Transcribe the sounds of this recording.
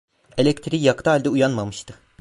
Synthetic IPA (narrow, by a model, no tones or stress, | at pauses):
elʲɛkt̪ʰɾijakt̪ʰaɦalʲd̪ɛujanmamɯʃt̪ʰɯ